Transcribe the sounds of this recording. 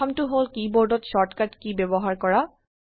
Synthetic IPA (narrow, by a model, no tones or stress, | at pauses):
ɔmtʊɦolkiboɹdɔtʃɔɹtkatkibɛbɔɦaɹkɔɹa